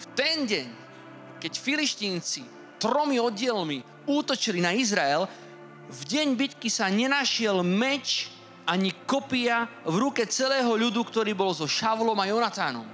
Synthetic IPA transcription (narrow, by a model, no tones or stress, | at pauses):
ft̪ɛnɟɛɲ | kɛcfiliʃt̪iːnt͡si | t̪ɾɔmiɔɟɪɛlmi | uːt̪ɔt͡ʃilinaizɾaɛl | vɟɛɲbit̪kisaɲɛnaʃɪɛlmɛt͡ʃ | ʔaɲikɔpiavɾukɛt͡sɛlɛːɦɔʎud̪ukt̪ɔɾiːbɔlzɔʃaʊlɔmajɔnat̪aːnɔ̰m